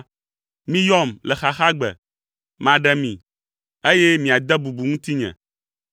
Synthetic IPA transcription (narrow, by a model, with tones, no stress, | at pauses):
mĩ˦jɔ˦mlɛ˨xa˨xa˦ɡ͡bɛ̰˨ | mã˨ɖɛ˦mĩ˨ | e˦jɛ˦mĩ˨a˨d̪ɛ˦bu˨bu˨ŋũ˦t̪i˦ɲɛ̰̃˨